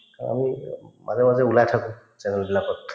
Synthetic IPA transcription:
kaa̰mimʔa̰zɛmazɛulajtʰakʊ̃ | sɛnɛlbilakɔtʰ

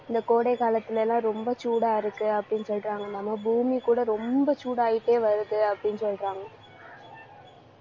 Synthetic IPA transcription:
ɪnd̪ɐkoːɽɐɪkaːlɐt̪ːɪlɛlːãːɾɔmbɐt͡ʃuːɽaːɪɾɯkːɯɐpːɐɽɪnːɯsɔlɾaːŋɡɐɛnd̪aːmaːbuːmikuːɽɐɾɔmbɐt͡ʃuːɽaːjɪʈːeːʋɐɾɯkːɯɐpːɐɽɪnːɯsɔlɾaːŋɡɐ

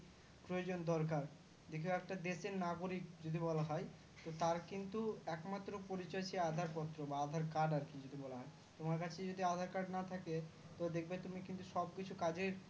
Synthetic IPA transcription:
pɾojod͡ʑond̪ɔɾk̬aɾ | d̪ekʰeɛk̚ʈad̪eʃeɾnaɡoɾikd͡ʑod̪ʱibɔlaɦɔj | t̪ot̪aɾkint̪uɛkmat̪ːɾopoɾit͡ɕɔet͡ɕʰiead̪ʱaɾpɔt̪ːɾobaad̪ʱaɾkaɾɖaɾkid͡ʑod̪ʱibɔlaɦɔj | t̪omaɾkat͡ɕʰed͡ʑod̪ʱiad̪ʱaɾkaɖnat̪ʰake | t̪od̪ekʰbet̪umikint̪uʃɔb̚kit͡ɕʰukad͡ʑeɾ

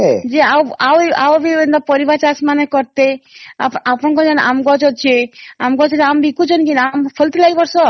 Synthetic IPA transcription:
ɦɛd͡ʒeawawa̰wbiend̪apɔɾibat͡ʃasmanekɔɾt̪ea̰pʔapɔnkɔd͡ʒanʔa̰mɡɔt͡ʃɔt͡ʃʰeamɡɔt͡ʃɔambikut͡ʃʰɔnkinampʰɔlt̪ilaibɔɾsɔ

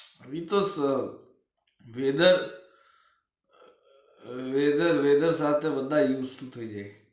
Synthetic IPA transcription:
ʋit̪os | ʋeːd̪əɾ | ʋeːd̪əɾʋeːd̪əɾsaːt̪eʋənd̪ajuːsʈut̪ʰoid͡ʒeː

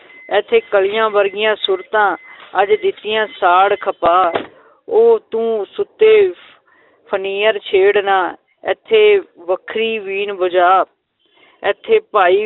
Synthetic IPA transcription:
ɛːt̪ʰːeːkəlɪjãːʋəɾɡɪjãːsuɾt̪ãːəd͡ʒd̪ɪt̪ːɪjãːsaːɽkʰəpaː | oːt̪ũːsʊt̪ːeː | pʰəniːəɾt͡ʃʰeːɽnaː | ɛːt̪ʰːeːʋəkʰɾiːʋiːnbəd͡ʒaː | ɛːt̪ʰːeːpaːiː

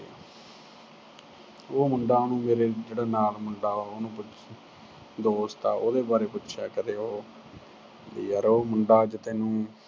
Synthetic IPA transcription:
oːmʊɳɖaːnũːmeːɾeːd͡ʒeːɽaːnaːlmʊɳɖaːaːoːnũːpʊt͡ʃ | d̪oːst̪aːoːd̪eːbaːɾeːpʊtːʃʰaːkəɾeːɦoː | d̪iːəɾoːmʊɳɖaːd͡ʒɪt̪eːnũː

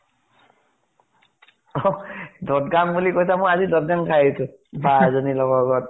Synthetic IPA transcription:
ɔdɔtɡambulikojsamojazidɔt̚ɡaŋkʰajesʊ̃ | bazɔnilɔɡɔɡɔt̚

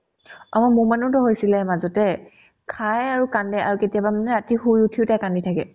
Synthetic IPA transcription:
a̰mɔmumanʊtɔɦojsilɛmazɔtɛ | kʰajaɹukandɛʔa̰ɹuketijabamanɛatiɦujutʰiʊtakanditʰakɛ

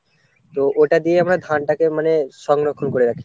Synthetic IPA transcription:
t̪oʔoʈad̪ijeamɾad̪ʱanʈakemaneʃɔŋɡɾokʰːonkoɾeɾakʰi̥

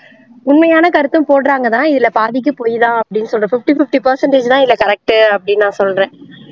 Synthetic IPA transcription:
ʊnmɐjaːnɐkɐɾɯt̪ːɯmpoːɽɾaːŋɡɐðãːɪðɪlɐpaːðɪk̬ːɯpoːjðãːɐpːɐɽɪnːɯsɔlɾɐfɪfʈifɪfʈipɐɾsɐɳʈeːd͡ʒt̪ãːɪlːɐkɐɾɛk̚ʈɯɐpːɐɽɪnːãːsɔlɾẽː

